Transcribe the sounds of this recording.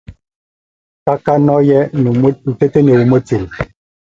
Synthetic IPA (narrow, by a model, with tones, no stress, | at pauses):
ka˦ka˦nɔ˦jɛ˦˨˦u˨te˦te˦ne˨wu˨mo˦t͡se˨l